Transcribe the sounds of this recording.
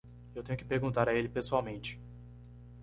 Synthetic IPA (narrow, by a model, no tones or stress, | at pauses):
ewt̪ẽɲʊkɪpeɾɡũnt̪aɾɐelɪpesuawmẽnt͡ʃɪ̥